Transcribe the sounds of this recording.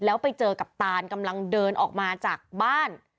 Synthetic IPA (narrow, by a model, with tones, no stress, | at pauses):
lɛː˦˥wpa˧jt͡ɕɤː˧ka˨˩p̚t̪aː˧nka˧mla˧ŋdɤː˧nʔɔ̰ː˨˩k̚maː˧t͡ɕaː˨˩k̚baː˥˩n